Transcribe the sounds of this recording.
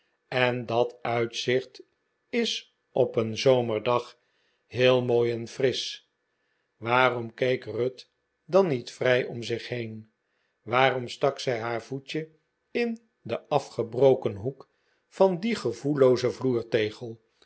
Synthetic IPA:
ɛndɑtœɥtsɪχt | ɪs | ʔɔpənzowməɹdɑχ | ɦɪːlˠmoːjɛnfrɪs | ʋaːrɔmkejkrøt | dɑnitfrɛjɔmzɪχhejn | ʋaːrɔmstɑksɛjɦaːɹvut͡ʃə | ɪn | dəʔɑfχəbrowkənɦuk | fɑndiχəvulowzəvluːɹtejχəlˠ

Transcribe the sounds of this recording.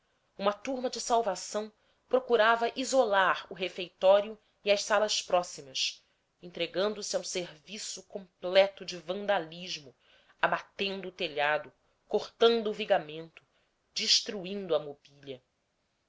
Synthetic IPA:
ũmɐt̪uɾmɐd͡ʒɪsawvasɐ̃w̃ | pɾokuɾavɐʔizolaɾʊɦefejt̪ɔɾiʊ | iɐʃsalɐspɾɔsimɐs | ẽnt̪ɾeɡɐ̃nd̪ʊsiaũseɾvisʊkõmplɛt̪ʊd͡ʒɪvɐ̃nd̪aliʒmʊ | abat̪ẽnd̪ʊːt̪eʎad̪ʊ | koχt̪ɐ̃nd̪ʊːviɡamẽnt̪ʊ̥ | d͡ʒiʃt̪ɾuĩnd̪ʊɐmobiʎɐ

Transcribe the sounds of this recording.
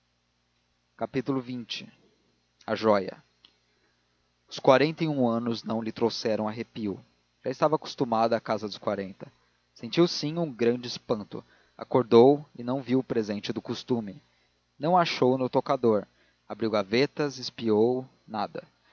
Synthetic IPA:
kapit̪ulʊvĩt͡ʃɪ | aʒɔjɐ̰ | ʊskwaɾẽnt̪ɐiũɐ̃nʊznɐ̃w̃lɪt̪ɾowsɛɾɐ̃w̃ɐɦepiw | ʒ̥aɪst̪avaku̥st̪umad̪ʊakazɐd̪ʊskwaɾẽnt̪ɐ̥ | sẽnt͡ʃiwsĩũɡɾɐ̃nd͡ʒɪspɐ̃nt̪ʊ̰ | a̰koɾd̪owɪnɐ̃w̃viwʊpɾezẽnt͡ʃɪd̪ʊkust̪ũmɪ | nɐ̃w̃aʃownʊt̪okad̪oɾ | abɾiwɡavet̪ɐzɪspiow | nad̪ɐ̰

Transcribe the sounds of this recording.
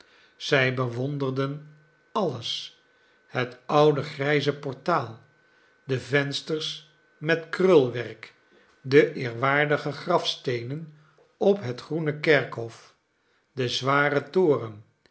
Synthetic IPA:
z̥ɛjbəʋɔndərdən | ɑləs | hətʌwdəχrɛjzəpɔɹtaːlˠ | dəvɛnstəɹs | mɛtkrɵlˠʋɛrk | dəʔɪːɹʋaːɹdəχəχrɑfstejnən | ɔpɦətχrunəkɛɹkɦɔf | dəzʋaːrətʊːrən

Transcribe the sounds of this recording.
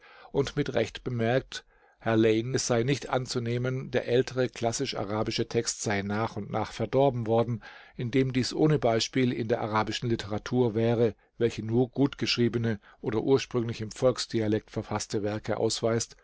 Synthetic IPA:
ʔʊntmɪtʁɛçtb̥əmɛɐk̚t | hɛɐleɪnɛsz̥aɪnɪçtʔa̰nt͡suneːməndeːɐʔɛltʰəʁ̞əkʰl̥asɪʃa̰ʁaːbɪʃətʰɛkstz̥aɪnaːχʊntnaːχfɛɐdɔɐbm̩vɔɐdn̩ʔɪndeːmdiːsʔoːnəbaɪʃpiːlɪ̰ndeːɐʔaʁaːbɪʃn̩lɪtʰəʁatʰuːɐvɛːʁ̞ə | vɛlçənuːɐɡ̥uːtɡ̥əʃʁ̥iːbənə | ʔoːɾɐʔuːɐʃpʁ̥ʏŋlɪçɪmfɔlksd̥ialɛk̚tfɛɐfastəvɛɐkəʔa̰ʊsv̥aɪst

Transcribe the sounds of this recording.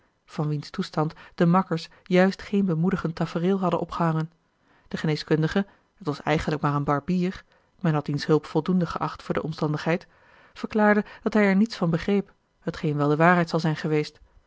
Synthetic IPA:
v̥ɑnʋinstustɑntd̥əmɑkəɹs | jœɥstχejnbəmudəχəntafərɪːlˠɦɑdənʔɔpχəɦɑŋən | d̥əχənejskɵndəχə | ɦətʋɑsɛ̰jχənləkmaːɹənbɑɹbiːr | mɛnɦɑt̚dinsɦɵlˠpfɔlˠdundəχəʔɑχtfʊːɹdəʔɔmstɑndəχɦɛjt | fəɹklaːɹdəd̥ɑtɦɛjɛɹnitsfɑnbəχrejp | ɦətχejnʋɛlˠdəʋaːɹɦɛjtsɑlˠzɛjnχəʋejst

